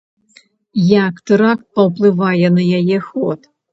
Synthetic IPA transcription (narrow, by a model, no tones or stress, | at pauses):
jakt̪ɨɾakt̪̚pɐwplˠɪvajɛnɐjajɛxɔt̪